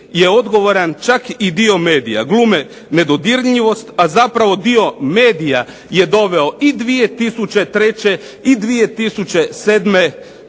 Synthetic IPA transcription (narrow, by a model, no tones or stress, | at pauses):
jeo̞d̪ɡo̞ʋoɾant͡ʃakid̪io̞meːd̪ija̰ɡlˠuːme | ne̞d̪od̪iɾɲiʋo̞st̪azapɾaʋo̞d̪io̞me̞ːd̪ija | je̞d̪o̞ʋe̞o̞id̪ʋije̞t̪isut͡ɕe̞t̪ɾe̞t͡ɕe̞ | id̪ʋije̞t̪isut͡ɕe̞seːd̪me̞